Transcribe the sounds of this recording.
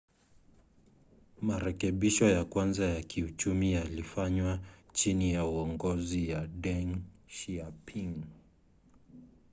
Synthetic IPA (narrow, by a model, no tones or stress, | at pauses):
maɾɛkɛɓiʃɔjakwanzajakʰiut͡ʃumijalifaɲwat͡ʃinijauɔŋɡɔzijaɗɛŋʃiapʰiŋ